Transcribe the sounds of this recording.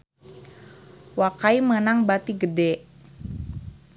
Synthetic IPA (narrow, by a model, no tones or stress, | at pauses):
wakaimənaŋbat̪iɡədɛ